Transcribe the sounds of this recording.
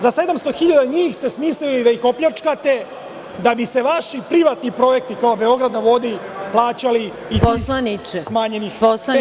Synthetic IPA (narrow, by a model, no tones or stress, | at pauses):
zase̞d̪amst̪o̞xiʎad̪aɲiːxst̪e̞smiːslilid̪aixo̞pʎat͡ʂkat̪e̞ | d̪abiseʋaʃipɾiʋat̪nipɾo̞je̞k̚t̪ikaobe̞o̞ɡɾad̪naʋo̞d̪iplˠaːt͡ɕali | ioslanit͡ʃesmaːɲe̞nixposa